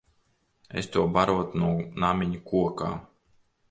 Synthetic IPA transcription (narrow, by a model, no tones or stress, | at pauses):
ḛst̪uɔbaɾuɔt̪unuɔnamʲiɲukuɔka̰ː